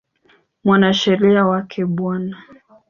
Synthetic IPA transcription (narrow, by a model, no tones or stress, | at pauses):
mwanaʃɛɾiawakʰɛɓwana